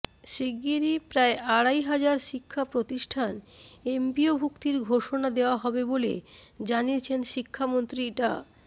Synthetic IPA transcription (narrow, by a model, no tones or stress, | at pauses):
ʃiɡiɾipɾaeʔaɽajɦad͡ʑaɾʃikʰːapɾot̪iʃʈʰanempiobʱukt̪iɾɡʱoʃonad̪eoaɦɔbebolḛd͡ʑaniet͡ɕʰenʃikʰːamont̪ɾiʈa